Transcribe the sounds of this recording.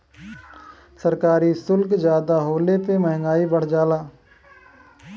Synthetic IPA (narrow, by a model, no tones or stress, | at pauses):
səɾkaːɾisʊlkd͡ʒjaːd̪aɦoːlepeməɦŋɡaːibəɽ̤d͡ʒaːlaː